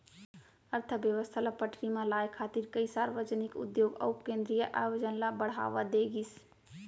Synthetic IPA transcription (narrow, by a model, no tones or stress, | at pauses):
əɾt̪ʰəbjəʋəst̪ʰalapəʈʰɾimãlajkʰːat̪iɾkəjsaɾʋəd͡ʒənikṵd̪joɡə̰wpkẽnd̪ɾijəʔaʋəd͡ʒənlabəɽ̤ɦa̰ʋad̪eɡis